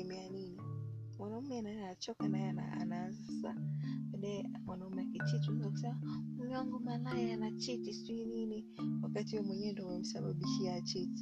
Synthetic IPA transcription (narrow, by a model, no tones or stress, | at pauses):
ɛmianini | manaumanaat͡ʃɔkanaana̰a̰nazsa̰ɛdɛmwanaumɛaket͡ʃitunataumɔŋɡɔmalaɛanat͡ʃitistuinini | wakatiwɔmwɛɲɛndɔmɛm̩saɓaɓiʃiat͡ʃiti̥